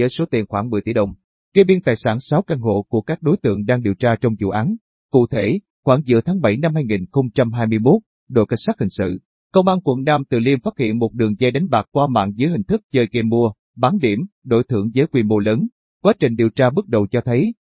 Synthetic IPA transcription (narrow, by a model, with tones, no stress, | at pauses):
əː˨˦jso˨˦t̪i˨˩ənxwaː˧˩ŋmɨ˨˩əjt̪i˧˩ɗə˨˩wŋ͡m | ke˧ɓi˧nt̪aː˨˩jsaː˧˩nsa˨˦wka˧ŋɦo̰˧˨ku˧˩əkaː˦˥k̚ɗo˨˦jt̪ɨ̰˧˨əŋɗaː˧ŋɗi˨˩wt͡ɕaː˧t͡ɕɔ˧wŋ͡mzṵ˧˨ʔaː˨˦n | kṵ˧˨t̪ʰe˧˩ | xwaː˧˩ŋzɨ̰˧˩ət̪ʰaː˨˦ŋɓəa˧˩jna˧mhaː˧jŋi˨˩nxə˧wŋ͡mt͡ɕa˧mɦaː˧jmɨ˧jmo˦˥t̚ | ɗo̰˧˩jkə˧jŋsaː˦˥k̚hï˨˩ŋ̟sɨ̰˧˨ | kə˧wŋ͡mʔa˧nkwə˧˩nnaː˧mt̪ɨ̰˧˨˩li˧əmfaː˦˥t̚hḭ˧˨ənmo˨˩t̚ɗɨ˨˩əŋzɛ˧ɗa˨˦ŋ̟ɓaː˨˩k̚kwaː˧ma̰ː˧˨nzəː˨˦jhï˨˩ŋ̟t̪ʰɨ˦˥k̚t͡ɕəː˧jke˧mːu˧ə | ɓaː˨˦nɗi˧˩əmɗo˧˩jt̪ʰɨ̰˧˩əŋzəː˨˦jkwi˧˩mo˧ləː˨˦n | kwaː˨˦t͡ɕï˨˩ŋ̟ɗi˨˩əwt͡ɕaː˧ɓɨ˦˥k̚ɗə˨˩wt͡ɕɔ˧t̪ʰə˨˦j